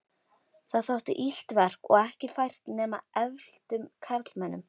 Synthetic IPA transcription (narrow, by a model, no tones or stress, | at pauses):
θaðθawht̪ʏ̰ʔil̥t̪vɛr̥kɔ̰ɣɛhcɪfajr̥t̪nɛːma̰ʔɛvll̥t̪ʏmkʰaɾt̪lmɛnːʏm